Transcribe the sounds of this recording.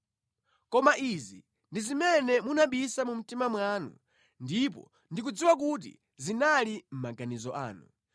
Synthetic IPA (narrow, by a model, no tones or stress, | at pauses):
kɔmaʔizi | ndizimɛnɛmunaɓisamum̩timamwanṵ | ndip̬ɔ̰ | ndik̬ud͡ziwak̬ut̬ḭ | zinalim̩maɡanizɔʔa̰ːnu